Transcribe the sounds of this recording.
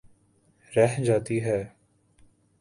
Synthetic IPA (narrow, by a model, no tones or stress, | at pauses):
ɾɛɦd͡ʒaːt̪iɦɛː